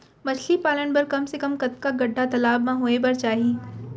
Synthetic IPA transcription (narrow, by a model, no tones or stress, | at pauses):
mɐt͡ʃʰlipaːləɳbɐɾkɐmsekɐmkɐt̪kaɡɐɖʱːat̪ɐlaːbmãɦoːebɐɾt͡ʃaːɦieː